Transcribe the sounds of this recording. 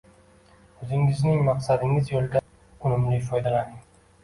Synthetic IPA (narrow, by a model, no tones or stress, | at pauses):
ɵzɪŋɪznɪŋmɑqsad̪ɪŋɪzjolˠɡʲa | ʊnɪmlɪjfɒjd̪alanɪŋ